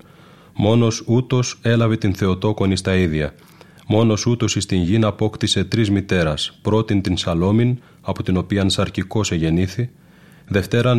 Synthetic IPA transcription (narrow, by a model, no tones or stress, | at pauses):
mo̞no̞sut̪o̞se̞lɐvet̪inθe̞o̞t̪o̞ko̞nist̪ɐiðʝɐ | mo̞no̞sut̪o̞sist̪inʝinɐpo̞kt̪ise̞t̪ɾizmit̪e̞ɾɐspɾo̞t̪int̪insɐlo̞min | ɐpo̞t̪ino̞piɐnsɐɾciko̞se̞ʝe̞niθi | ðe̞ft̪e̞ɾɐn